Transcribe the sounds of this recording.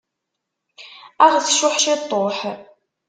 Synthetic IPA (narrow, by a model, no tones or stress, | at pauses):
aʁəsʃʊħʃetʼoːħə